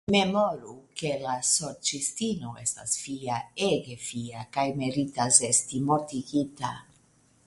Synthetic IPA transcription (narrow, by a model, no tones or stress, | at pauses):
memoɾukelasoɾt͡ʃist̪inoest̪asfiaeɡefiakajmeɾit̪azest̪imot̪iɡit̪a̰